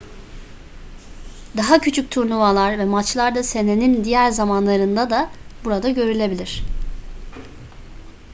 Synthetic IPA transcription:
d̪aɦacʰyt͡ʃʰyc̚t̪ʰuɾnumalˠaɾvɛmat͡ʃlˠaɾd̪ase̞ne̞nind̪ijæɾzamanlˠaɾɯnd̪ad̪abuɾad̪aɟø̞ɾylʲe̞bilʲiɾ̝̥

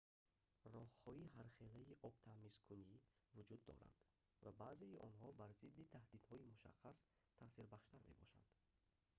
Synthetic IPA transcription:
rɔhhɔiɦaɾχe̞laiʔɔbt̪ʰamiskʰunivud͡ʒud̪ːɔ̰ɾa̰nd̪̥ | vabazeiʔɔnhɔbaɾzid̪ːit̪ʰahd̪id̪hɔimuʃa̰χːas | t̪ʰasiɾbaχʃt̪ʰaɾme̞̰bɔ̰ʃa̰nd̪̥

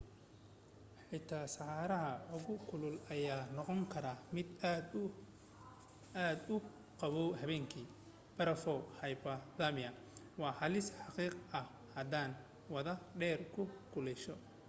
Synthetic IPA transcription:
ħɪt̪ʰaːsɐħɑːɾɐɦɐʊɣʊkʰʊlʊlɐjaːnɔqɔŋkʰɐɾaːmɪd̪d̪ | aːd̪ʊ | qɑβɔhɐβɛːŋkʰiː | b̥ɐɾɐfɔwhɐjbɐðaːmɪɐ | wɑːħɑlɪsħɑqiːqɐh | hɐd̪aːn | wɐðɐɖɛːrkʰʊkʰʊlɛʃɔ

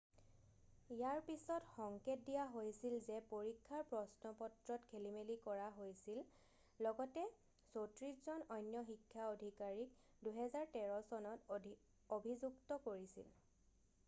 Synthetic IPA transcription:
ijaɹpisɔtxɔŋket̚dijaɦojsilzɛpoɹikʰːaɹpɹɔsnɔpɔtɹɔtkʰelimelikɔɹaɦojsil | lɔɡɔtɛ | sotɹiszɔnɔjnjɔxikʰːaodʱikaɹik | duɦɛzaɹtɛɹɔsɔnɔt | obʱizuktɔkoɹisḭl

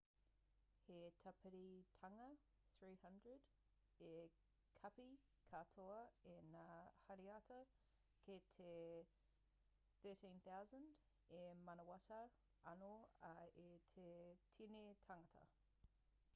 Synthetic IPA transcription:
hetʰɐpɪɾitʰɐŋɐ | θɹiːhɐndɹəd | e | kʰɐpi | kʰɐtʰoɐenaːhɐɾiɐtɐ | kʰetʰe | θɜːtĩnθawzə̃nd | emɐnɐwɐtɐ | ɐ̰noɐetʰetʰinetʰɐŋɐtʰɐ̰

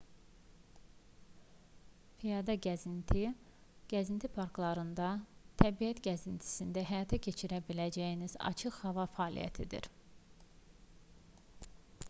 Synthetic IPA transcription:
fijɑd̪ɑɟæzint̪ʰiɡ̥æzint̪ʰipʰɑɾklˠɑɾɯnd̪ɑt̪ʰæbiæt̪ɟæzint̪ʰi̥sind̪æɦæjɑt̪ʰæcʰe̞t͡ʃʰiɾæbilæd͡ʒæjiniz̥ɑ̰t͡ʃʰɯχhɑvɑfæːlʔḭjæ̰t̪ʰid̪ḭɾ

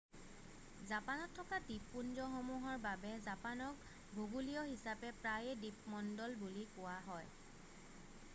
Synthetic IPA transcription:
zapanɔtʰːɔkadipːunzɔxomuɦɔɹbabɛzapanɔk̚ | bʱoɡulijɔɦisapɛpɹajɛdip̚mɔndɔlbulikʊwaɦɔj

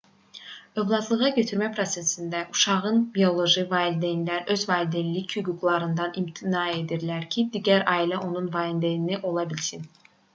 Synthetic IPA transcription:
ø̞vlˠɑt̪ʰlˠɯʁɑɟø̞t̪ʰyɾmæpʰɾo̞t̪se̞sind̪æʔuʃɑʁɯnbijo̞lˠo̞ʒivɑlʲd̪ejinlʲæɾøzvɑlʲd̪enlʲːichyɡuɡlˠɑɾɯnd̪ɑnimt̪ʰinɑe̞d̪iɾlæɾcʰid̪iɟæɾɑːilɛʔo̞nunvɑind̪ejiniʔo̞lˠɑbilʲsin

